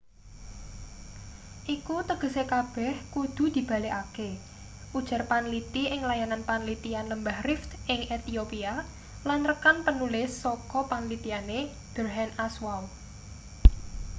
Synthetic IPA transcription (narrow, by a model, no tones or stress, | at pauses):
ʔikut̪əɡ̥ə̤sekab̥ɛ̤hkud̪̥ṳd̪̥i̤b̥a̤leʔake | ʔud̥ʒ̥a̤rpanlit̪iʔɪŋlajananpanlit̪ianləmbahrɪft̪ɪŋet̪iopia | lanrəkanpənulɪsːɔkɔpanlit̪iane | b̥əɾɦɛnaswaw